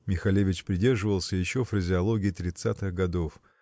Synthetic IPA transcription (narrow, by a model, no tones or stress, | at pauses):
mʲɪxɐlʲevʲɪt͡ɕpɾʲɪdʲe̞rʐɨvəlˠsʲəjɪɕːofɾəzʲɪɐlˠoɡʲɪːt̪ɾʲɪt̪sat̪ɨɣɡɐd̪o̞f